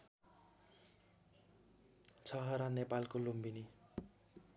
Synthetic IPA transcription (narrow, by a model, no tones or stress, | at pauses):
t͡sʰʌɦʌɾʌnepalkolumbini